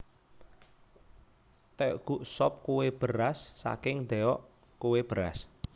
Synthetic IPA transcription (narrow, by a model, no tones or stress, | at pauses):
t̪ɛɡ̥uʔsɔp̚kuweb̥ə̤ɾasːa̰kɪŋd̪ɛɔʔ | kuweb̥əɾa̰s